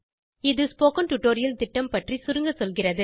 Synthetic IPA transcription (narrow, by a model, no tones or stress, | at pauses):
ɪðɯspoːkɐnʈʊʈoːɾɪjɐlt̪ɪʈːɐmpɐʈrisʊɾɯŋɡɐsɔlɣɪrɐðɯ